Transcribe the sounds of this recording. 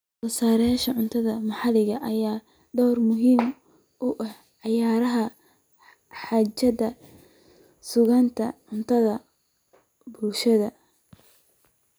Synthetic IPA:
wɐsaːɾjaːʃɐʕʊnt̪ʰɐðɐmɑħɑlɪɣɐʔɐjaː | ɖ̪ɔːrmʊɦiːm | ʊʔɐh | ʕɑjaːɾɐɦɐ | ħaːt͡ʃɐdɐ | sʊɣɐnt̪ʰɐ̰ʕʊnt̪ʰɐðɐ | bulʃɐðɐ

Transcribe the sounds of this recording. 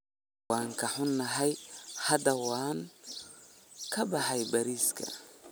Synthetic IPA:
aːŋkʰɐħʊnːɐɦɛjhɐd̪ɐwaːŋ | kʰɐbɑħɑjbɐɾiːskʰɐ̰

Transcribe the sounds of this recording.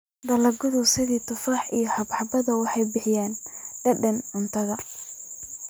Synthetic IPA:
d̪ɐlɐɡʊðʊsɪɣiːt̪ʰʊfaːħijɞhɑbħɑbɐðɐwɑħɑjbɪħɪjaːnɖ̥ɐɖɐnʕʊnt̪ʰɐɣɐ

